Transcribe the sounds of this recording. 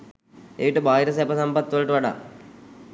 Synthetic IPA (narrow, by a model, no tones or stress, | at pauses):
eʋiʈəbaːɦiɾɐs̬ɛpɐsɐmpɐt̪ːʋɐlɐʈəʋaɖa̰ː